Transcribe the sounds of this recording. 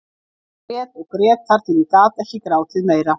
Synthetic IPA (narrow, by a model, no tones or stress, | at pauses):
ɛːt̪ɔɣkɾɛːt̪faɾ̥t̪inikaːt̪ɛhcɪkɾaːwt̪ʰɪðmeːjɾa